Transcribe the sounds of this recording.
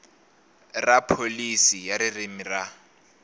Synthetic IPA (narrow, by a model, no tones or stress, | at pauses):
rapʰolisijaɾɪrimira